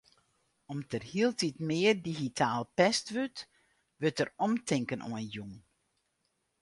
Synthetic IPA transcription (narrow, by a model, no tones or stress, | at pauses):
ɔmtʰərhiəlˠtitmɪːərdiɣitʰaːlˠpɛstʋøt | ʋøtərɔmtʰɪŋkəno̰njuŋ